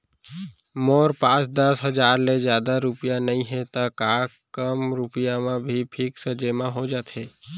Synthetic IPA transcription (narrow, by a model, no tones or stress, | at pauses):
moːɾpãːt͡ʃd̪əsɦəd͡ʒaːɾlezjaːd̪aɾʊpɪjanəĩɦɛ̃t̪akaː | kəmɾʊpɪjamãbʱipʰɪksəd͡ʒemãɦod͡ʒaːt̪ɦɛː